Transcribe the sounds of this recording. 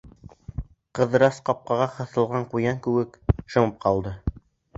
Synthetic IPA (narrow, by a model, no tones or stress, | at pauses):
qɤ̆ðɤ̆ɾɑsqɑp̚qɑʁɑχɤ̆θɤ̆lˠʁɑɴqujɑŋkʉwɘkʃɤ̆mɤp̚qʰɑlˠd̪ɤ